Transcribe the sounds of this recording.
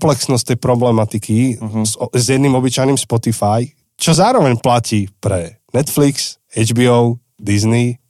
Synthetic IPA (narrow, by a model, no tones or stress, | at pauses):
plɛksnɔst̪ɛjpɾɔblɛmat̪ikʰi | zjɛd̪niːmɔbit͡ʃajniːmspɔt̪ifaj | t͡ʃɔzaːɾɔʋɛɲplaciːpɾɛnɛt̪fliks | ɛd͡ʒbiɔʊ | d̪izni